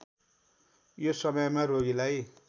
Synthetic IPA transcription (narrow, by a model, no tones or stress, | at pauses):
josʌmʌjmaɾoɡilaj